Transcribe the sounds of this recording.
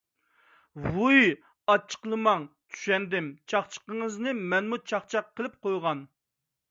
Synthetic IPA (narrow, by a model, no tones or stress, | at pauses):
vuj | ɑt͡ʃʰə̥qlˠɨmɑŋt͡ʃ̪ʰy̥ʃɛnd̪ɪmt͡ʃʰɑχt͡ʃʰə̥qəŋəznɨmɛnmut͡ʃʰɑχt͡ʃʰɑqʰːəlˠɪp̚qojʁɑn